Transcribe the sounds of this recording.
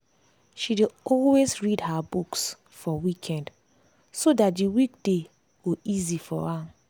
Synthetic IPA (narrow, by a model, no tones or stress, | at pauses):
ʃideɔlwezɹidhabuks | fɔwikʰɛ̃nd | sodat̚diwik̚d̥e | ɡoizifɔ̰a